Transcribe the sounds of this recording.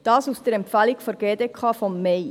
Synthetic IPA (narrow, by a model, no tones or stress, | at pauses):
d̥ɑːsusd̥əɾɛmpfælikfɔɾɡ̥eːdekʰɑːfɔmːeɪ